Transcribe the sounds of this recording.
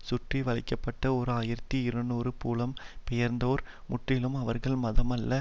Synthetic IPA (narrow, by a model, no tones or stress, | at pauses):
sʊʈriʋɐɭɪkːɐpːɐʈːɐɔɾɯaːjɪɾɐt̪ːiɪɾɐnoːɾɯpuːlɐmpɛjɐɾnd̪oːɾ | mʊʈrɪlɯmɐʋɐɾɣɐɭmɐðɐmɐlːɐ